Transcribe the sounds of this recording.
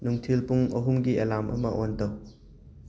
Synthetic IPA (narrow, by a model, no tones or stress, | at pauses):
nuŋtʰilpuŋɐɦumɡielamʔɐ̰mɐʔontɐw